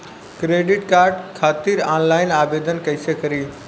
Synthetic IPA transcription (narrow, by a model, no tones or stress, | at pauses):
kɾeːɖɪʈkaːɾɖkʰaːt̪iɾaːnlaːɪnaːbeːd̪ənkɐɪsekɐɾiː